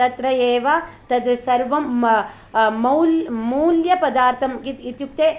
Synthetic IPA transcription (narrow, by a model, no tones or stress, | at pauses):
t̪ɐt̪ɾɐjeːʋat̪ɐd̪ɐsɐɾʋɐm | mɐwlmuːljɐpɐd̪aːɾt̪ʰɐmkit̪it̪juk̚t̪eː